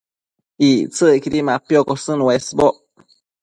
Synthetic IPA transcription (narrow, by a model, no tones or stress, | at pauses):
it͡sɨkiɾimapjokosɨnwesboʔ